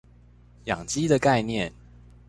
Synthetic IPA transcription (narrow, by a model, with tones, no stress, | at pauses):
jɑ˨˩ŋt͡ɕi˦˥d̪ə˨ka˥˧ɪnjɛ˥˨n